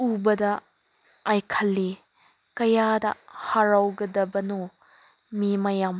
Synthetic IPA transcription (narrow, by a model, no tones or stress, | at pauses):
ubɐdɐː | jkʰɐlːi | kɐjadɐ̰haɾawɡɐdɐbɐnu | mimɐjam